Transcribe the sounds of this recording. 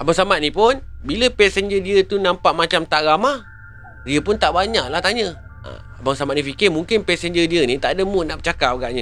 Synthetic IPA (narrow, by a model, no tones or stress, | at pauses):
abaŋsamat̪̚nipʊnbiləpɛsənd͡ʒədiət̪unãmpaʔmat͡ʃamt̪aʔramah | diəpʊnt̪aʔbaɲaʔlaht̪aɲə | a̰ | abaŋsamaʔ̪nĩfikɪmuŋkɪnpɛsənd͡ʒədiənĩt̪aʔadəmunaʔbət͡ʃakap̚aɡaʔɲə